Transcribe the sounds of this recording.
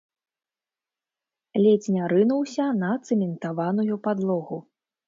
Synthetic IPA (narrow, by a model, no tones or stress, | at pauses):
lʲet͡sʲnʲaɾɨnuwsʲɐnɐt̪sɛmʲɛnt̪avanujupad̪lˠɔɣu